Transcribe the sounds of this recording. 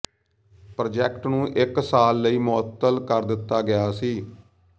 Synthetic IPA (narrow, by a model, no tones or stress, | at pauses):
pɾoːd͡ʒɛːkʈnũːʔɪksaːlːəiːmʊət̪ːəlkəɾd̪ɪt̪ːaːɡɪjaːsiː